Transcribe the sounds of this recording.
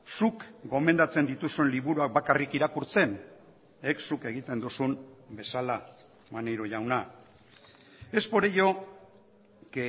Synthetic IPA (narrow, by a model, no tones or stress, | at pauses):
sukɡo̞me̞nd̪at͡se̞nd̪it̪usunliβuɾuak̚bakarikiɾakuɾt͡se̞n | eksuke̞ɣ̞it̪e̞nd̪usunbe̞sala | manejɾoʝawna | e̞spo̞ɾejo̞ | ke